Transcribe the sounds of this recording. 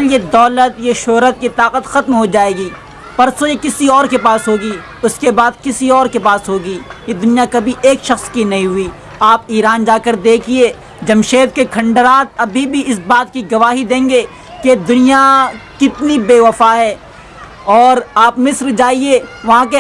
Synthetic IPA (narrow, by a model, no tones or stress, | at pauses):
ljed̪ɔːlət̪jeʃʊɦɾət̪̚kit̪aːqət̪xɐt̪mɦod͡ʒaːeːɡiː | pɐɾsojekɪsiɔːɾkepaːsɦoːɡi | ʊskebaːd̪̚kɪsiɔːɾkepaːsɦoːɡiːjed̪ʊnijakɐbʱiʔeːkʃɐxskinɐɦĩɦʊiː | aːpiːɾaːnd͡ʒaːkəɾd̪eːkʰieː | d͡ʒɐmʃeːd̪̚kekʰɐ̃ɳɖəɾaːt̪̚ɐbʱibʱiɪsbaːt̪̚kiɡɐʋaːɦid̪ẽːŋɡeː | ked̪ʊnijakɪt̪nibeːʋɐfaɦɛː | ɔːɾaːpmɪsɾd͡ʒaːieʋɐɦãke